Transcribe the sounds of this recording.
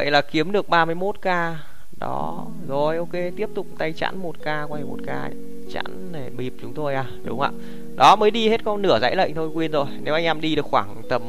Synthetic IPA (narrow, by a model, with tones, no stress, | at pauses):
və̰˧˨jlaː˨˩ki˨˦əmɗɨ˨˩ək̚ɓaː˧mɨ˧əjmo˦˥t̚kaː˧ | ɗɔ̰˨˦ | zo˨˩jʔo˧wke˧t̪i˦˥əp̚t̪ʊ˨˩k͡p̚t̪a˧jt͡ɕa̰ː˧˥nmo˨˩t̚kaː˧kwaː˧a˧˩jmo̰˨˩t̚ka̰ː˧˨ | t͡ɕa̰ː˧˥nne˨˩mi˨˩p̚t͡ɕʊ˨˦ŋ͡mt̪o˧jʔaː˨˩ɗʊ̰˨˦ŋ͡ma̰ː˧˨ | ɗɔ˨˦məː˨˦jɗi˧he˦˥t̚kɔ˧nɨ˧˩əza̰˧˥jlə̰˧˨jŋ̟t̪ʰo˧jkwi˧ənzo˨˩jne˨˦ʔa˧jŋʔɛ˧mɗi˧ɗɨ˨˩əkxwaː˧˩ŋt̪ə˨˩m